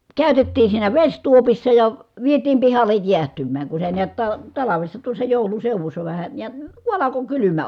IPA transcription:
kæˑy̞tetːiːn̞ siːnæ ʋesʲtuopisːɑ jɑ ʋietiːm pihɑlːej jiæhtymˑæːŋ ku se niæt tɑ tɑlɑʋesːɑ tuosːɑ joˑu̞lun̞ seuʋusːɑ ʋæhæ jɑ ku ɑlɑko kylymæ

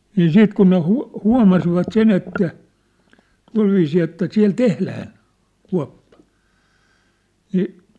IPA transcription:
niː siːt kun ne huɑ̝ huɑ̝mɑsiʋɑt sen etːæ tuɑ̝lʋiːsiː etːæ siæ̝l tehlæːn̞ kuɑ̝pːɑ̥ niː

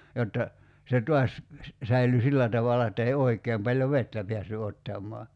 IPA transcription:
jotːɑ se tuɑs sæily silːæ tɑʋɑlɑ etːæ ei oikˑeːm pɑlʲjo ʋetːæ piæsːy otːɑmˑɔɑ

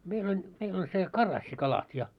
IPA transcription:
meil olʲ meil olʲ se kɑrɑsːikɑlɑt jɑ

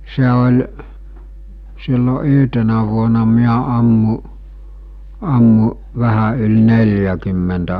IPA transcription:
se olʲ silːo yɦtenæ ʋuonɑ miæ ɑmːu̟ ɑmːu̟ ʋæhæ yl nelʲjækymːentæ

